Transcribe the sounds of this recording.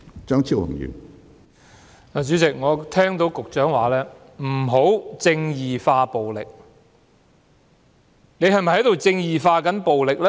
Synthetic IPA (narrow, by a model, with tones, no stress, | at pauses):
t͡ʃœː˥ŋt͡sʰiː˥whʊ̰˨˩ŋjy̰ː˨˩n | laː˨˩t͡ʃyː˨˥t͡sɪ˨k̚ŋɔː˨˧t̪ʰɛː˥ŋt̪o˨˥wkʊ˨k̚t͡ʃœː˨˥ŋwaː˨˦lɛː˥ | m̩˨˩ɦo˨˥wt͡sɪ˧ŋjiː˨˩faː˧po˨wlɪ̰˨k̚ | ne˨˧jhɐ˨jmɐ˨jhɐ˨˥jt̪wt͡sɪ˧ŋjiː˨faː˧kɐ˨˥npo˨wlɪ˨k̚lɛ˥